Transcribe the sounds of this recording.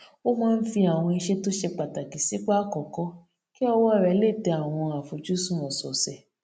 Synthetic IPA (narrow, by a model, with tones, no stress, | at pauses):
o˦mãː˦n̩˦fi˧a˨w̃ɔ̃˧i˧ʃɛ˦to˦ʃe˧k͡pa˨ta˨ki˨si˨˦k͡pa˦kɔ˨kɔ˦ | ki˦ɔ˧wɔ˦˨ɾɛ˧˦le˦˨tɛ˧a˨w̃ɔ̃˧a˨fo˨d͡ʒu˨˦sũ˦˨ɔ̃˨sɔ˨sɛ˨